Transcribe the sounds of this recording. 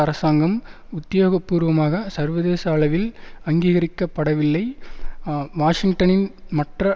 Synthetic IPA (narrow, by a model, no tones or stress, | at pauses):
ɐɾɐsaːŋɡɐmʊt̪ːɪjoːɣɐpːuːɾʋɐmaːɣɐsɐɾʋɐðeːsaːɭɐʋɪlɐŋɡiːɣɐɾɪkːɐpːɐɽɐʋɪlːɐɪ | ʋaːʂɪŋʈɐnɪnmɐʈrɐ